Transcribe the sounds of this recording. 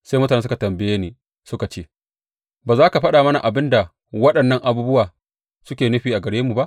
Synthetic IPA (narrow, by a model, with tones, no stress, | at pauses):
sa˦mʊ˦ta˨eː˦s̬ka˨tɐ˨mbɪ˦jeː˦niː˨ | sʊ˦ka˨t͡ʃeː˦˨ | baː˨zaː˦ka˨ɸɐ˦ɗa˨mɐ˦na˨ʔa˨bɪ˦nda˨ | wɐ˦ɗɐ˨nːɐ˦ŋʔa˨buː˦bʊ˦waː˨ | sʊ˦kʲeː˨nʊ˦ɸiː˨ʔa˨ɡɐ˨ɽeː˦mːu˨ba˦ʔ